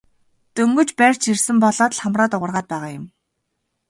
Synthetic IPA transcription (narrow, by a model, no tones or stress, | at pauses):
t̪ɵŋɡɵ̆t͡ɕpær̥ʲt͡ɕʰirsɘ̆mpɔɮɔːt̪ɮχamraːt̪ʊʁə̆rʁaːt̪̚pæːʁaːjʊ̆m